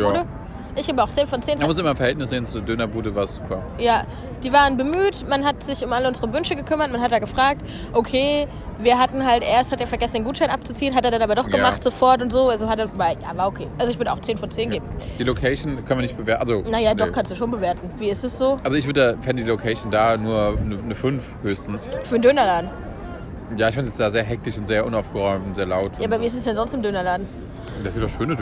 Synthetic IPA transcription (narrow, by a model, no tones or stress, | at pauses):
də | ʔɪçɡ̥eːbəaʊxtt͡seːnfɔnt͡seːnmnmʊs̬ʔɪmɐɪmfɛɐhɛltnɪsz̥eːnt͡sudeːɐdønɐbuːdəvaːɐsz̥ukʰa̰ː | jaː | d̥iːvaːʁənbəmyːtmanɦatz̥ɪçʊmʔaləʊnzəʁ̞əvʏnʃəɡəkʰʏmɐt̚manɦatd̥aːɡəfʁ̥aːk̚t | ʔokʰeː | viːɐɦatn̩ɦaltʔḛːɐsthateːɐfɛɐɡɛsn̩deːnɡuːtʃaɪnʔap̚t͡sut͡siːənɦateːɐdanaːbɐdɔχɡ̥əmaχtz̥ofɔɐtʊntz̥oːalzohateːɐvaɪja̰ːvaːɐokʰḛːʔalzoɪçvʏɐdəaʊxt͡seːnfɔnt͡seːnɡɡeːbm̩d̥iːlokʰɛːʃn̩kʰœnviːnɪçtb̥əveːɐʔa̰lzonajaːdɔχkʰanstd̥uːʃoːnbəveːɐtn̩viːɪsd̥asz̥oːʔalzoɪçvʏɐdədafɛndədilokʰɛʃn̩daːnuːɐnənəfʏnfhøːçstn̩sfyːɐndøːnɐlaːdn̩ | jaːɪçfantjɛt͡sd̥aːzeːɐɦɛk̚tɪçʊntz̥eːɐʔʊnaʊfɡ̥əʁɔʏmtʊntz̥eːɐlaʊtjaːbɐviːɪstɛsd̥ɛnzɔnstɪmdøːnɐlaːdn̩ | d̥aszɪntd̥ɔχʃøːnə